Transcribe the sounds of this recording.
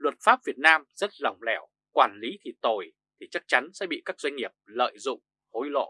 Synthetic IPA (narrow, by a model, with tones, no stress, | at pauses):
lwə˨˩t̚faː˦˥p̚vi˨˩ət̚naː˧mzə˦˥t̚za˨˩wŋ͡mlɛ˧˩w | kwaː˧˩nli˨˦t̪ʰi˨˩t̪o˨˩j | t̪ʰi˨˩t͡ɕa˦˥k̚t͡ɕa˨˦nsɛ̰˧˥ɓḭ˧˨kaː˦˥k̚zwa˧ŋ̟ŋi˨˩əp̚lə̰ː˧˨jzʊ̰˧˨ŋ͡m | ho˨˦jlo̰˧˨